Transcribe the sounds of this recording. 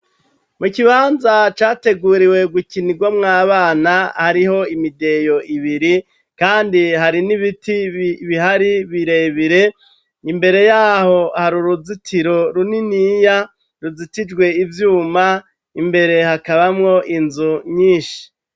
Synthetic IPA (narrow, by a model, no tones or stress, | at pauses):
mukiβaːnzat͡ʃaːte̞ɡuɾiwe̞ɡwukiniɡwamŋaːβaːnahaɾiho̞imide̞jo̞ʔiβiɾi | kaːndiɦaɾiniβitiβiɦaɾiβiɾe̞ːβiɾe̞ | imbe̞ɾe̞jaːho̞haɾuɾuzitʰiɾo̞ɾuninija | ɾuzitid͡ʒɡwe̞ivjuːma | imbe̞ɾe̞hakaβamŋo̞ʔinzuɲiːʃi̥